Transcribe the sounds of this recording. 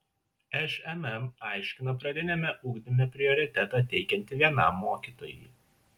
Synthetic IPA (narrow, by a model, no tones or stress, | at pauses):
ɛʃɛmɛmɑˑɪʃʲkʲɪnopɾɐd̪ʲɪnʲɛmʲɛʔuːɡd̪ʲɪmʲɛpʲɾʲɪɔɾʲɪt̪ʲɛt̪ɑt̪ʲɛɪkʲɛnʲt̪ʲɪʋʲiɛnɑ̰mːoːkʲiːt̪oːjḭː